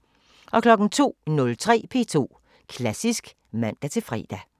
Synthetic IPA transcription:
ʔɒ̽kʰlɒ̽ɡ̥n̩t͡sʰo̝̰ːnɔ̽lt͡sʰʁɛ̰ːpʰe̝̰ːt͡sʰo̝̰ː | kʰlæsisɡ̥ | mæn̰d̥æt͡sʰe̝fʁɛ̰ːd̥æ

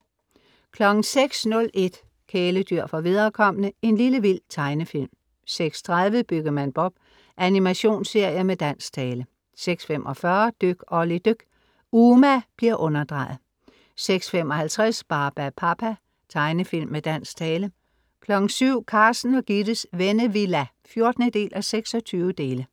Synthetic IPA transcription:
kʰlɒ̽ɡ̥ŋ̩seɡ̥snɔ̽lʔe̝d̥ | kʰeːləd̥yɐ̰fɒ̽ʋið̞ˠɐkʰɒ̽m̰ənəe̝nliləʋil̰t͡sʰɑ̈ɪnəfil̰m | seɡ̥st͡sʰʁað̞ˠʋəb̥yɡ̥ɐmænb̥ɒ̽b̥ | ʔænimæɕo̝̰ːnsːe̝ɐ̰jɐmed̥æn̰st͡sʰɛːlə | seɡ̥sfem̰ʔɒ̽fɶɐd̥øɡ̥ɒlid̥øɡ̥ | uːmæb̥liɐʔɔ̽nɐd̥ʁɑ̈ːɪð̩ˠ | seɡ̥sfemɒ̽hælt͡sʰʁasb̥ɑ̈ːb̥æpʰɑpʰæ | t͡sʰɑ̈ɪnəfil̰mːed̥æn̰st͡sʰɛːlə | kʰlɒ̽ɡ̥n̩syʊ̰kʰɑ̈ːsn̩ɒ̽ɡ̥id̥əsʋenəʋilæ | fjo̝ɐd̥nəd̥e̝̰ːlʔæseɡ̥sɒ̽t͡sʰyːʊəd̥e̝ːlə

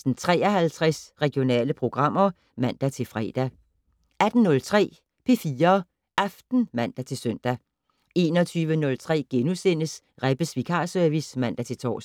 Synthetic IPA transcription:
sn̩t͡sʰʁɛ̰ːɐɦælt͡sʰʁɛsʁɛɡ̥jo̝nɛ̰ːləpʰʁo̝ɡ̥ʁɑ̈m̰ɐ | mæn̰d̥æt͡sʰe̝lfʁɛ̰ːd̥æ | æd̥n̩nɔ̽lt͡sʰʁɛ̰ː | pʰe̝fiːɐ | ʔɑfd̥n̩mæn̰d̥æt͡sʰe̝lsœn̰d̥æ | e̝ːnɒt͡sʰyːʋənɔ̽lt͡sʰʁɛ̰ːɡ̥enusen̰əs | ʁɛb̥əsʋikʰɑ̈ːsœɐʋismæn̰d̥æt͡sʰe̝lt͡sʰɒ̰ː

